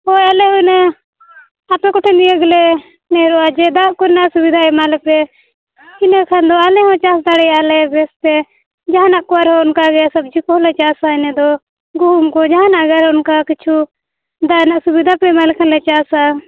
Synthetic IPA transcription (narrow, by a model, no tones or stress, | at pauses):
ɔjalɛɦɔnɛ | apɛkɔʈʰɛnijəɡlɛ | nɛɾɔad͡ʒɛd̪aʔkɔɾnaʔsubid̪ʱaɛmalɛpɛ | inɛkʰand̪ɔalɛɦɔ̃t͡ʃasd̪aɽɛjalɛbɛsp̪ɛ | d͡ʒaɦanaʔkɔaɾɦɛʊnkaɡɛsɐb̚d͡ʒikɦɔlɛt͡ʃasainɛd̪ɔ | ɡuumkɔd͡ʒaɦanaɡaɾɛʊnkakit͡ʃʰu | d̪anaʔsubid̪ʱapɛmalɛkʰanlɛt͡ʃaːsa